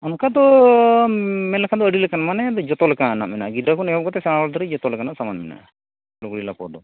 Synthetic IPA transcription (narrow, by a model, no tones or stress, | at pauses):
ɔnkad̪ɔ | mɛlɛkʰad̪ɔəɽilɛkanamanɛd̪ɔd͡ʒɔt̪ɔlɛkana̰ʔmɛna̰ʔɡid̪akunɛɔkɔt̪ɛsɛnawɔld̪ɔɾid͡ʒɔt̪ɔlɛkanaʔsamanmɛna̰ | luɡɽilapɔ̰d̪ɔ